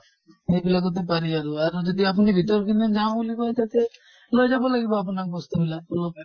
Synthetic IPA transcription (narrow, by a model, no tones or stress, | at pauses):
ejbilakut̪̬epaɾiaɾuaɾud͡ʒɔd̪iapunibʱit̪ɔɾɔkined͡ʒãbulikɔt̪ʰat̪e | lojd͡ʒabɔlaɡibɔap̬ɔnakbɔst̪ubilabulɔpɛ